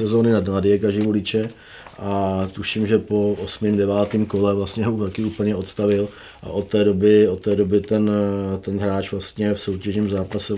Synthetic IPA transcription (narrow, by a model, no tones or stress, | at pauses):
sɛzo̞ːnɪnadnladɪɛkaʒɪvolɪt͡ʃɛ | ʔat̪uʃɪmʒɛpo̞ʔosmɪmdɛvaːt̪iːmko̞lɛvlast̪ɲɛɦot̪akɪuːpl̩ɲɛo̞t̪st̪avɪl | ʔa̰ʔo̞t̪ːɛːdobɪot̪ːɛːdo̞bɪt̪ɛnt̪ɛnɦɾaːt͡ʃvlast̪ɲɛfso̞wcɛʒɲiːmzaːpasɛ